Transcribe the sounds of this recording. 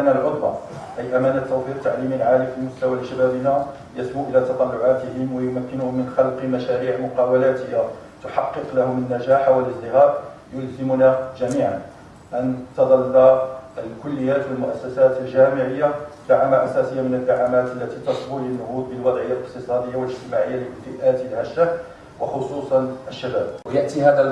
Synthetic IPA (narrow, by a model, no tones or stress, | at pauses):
nalʕʊd̪ˤwa̰ | ʔæjʔæmæːnat̪ːæwfiɾ̚t̪aʕliːməlʕaːlifilmʊst̪awalɪʃabæbəna | jæsbuʔəlæt̪ɑt̪ˤɑlːʊʕat̪əhɪmwajʊmækːɪnʊhʊmːənxɑlqmæʃæɾiːʕmʊqɑːwalæt̪ɪha | t̪ʊħɑqːəqlahʊmənːæʒaːħawələsd̪ɪɣaːʔ | jʊlzɪmʊnaʒæmiːʕan | ʔant̪ɑd̪ˤɑlːaʔəlkʊlːəjːaːt̪wəlmʊʔæsːæsæːt̪əlʒæːmɪʕɪjːad̪̥aʕamaʔæsæːsəjːamɪnəd̪ːaʕamaːt̪ʔəlːæt̪it̪ɑsˤbuanːʊhuːd̪̚bəlwɑd̪ˤʕəjːaləqt̪əsˤɑd̪əjːawələd͡ʒt̪ɪmaʕəjːaləfiʔæːt̪əlʕaʃːa | wɑxʊsˤuːsˤɑnʔəʃːæbæːb̚wjaʔt̪ihæːd̪æ